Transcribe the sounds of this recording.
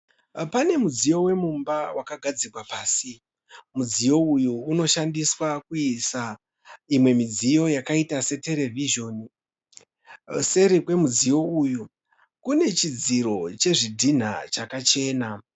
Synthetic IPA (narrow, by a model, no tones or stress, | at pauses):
pane̞mud͡zijo̞we̞mumbawʔakaɡʱad͡zirwapaːsi | mud͡zijo̞ujuːno̞ʃandiswakuisa | imwe̞mid͡zijo̞jakaitase̞te̞ɾe̞viʒo̞ːni | se̞ɾikwe̞mud͡zijo̞uju | kune̞t͡ʃid͡ziɾo̞t͡ʃe̞ʐidʱin̤a̰t͡ʃakat͡ʃe̞ːna